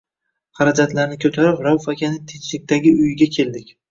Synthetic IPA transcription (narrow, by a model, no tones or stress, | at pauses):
χɑɾad͡ʒat̪laɾnɪkʲʰɵt̪ʰaɾɪpɾawfakʲʰanɪt̪ʰet͡ʃlɪk̚ʲt̪aɡʲɪʊjɪɡʲakʲʰe̞ld̪ɪkʲ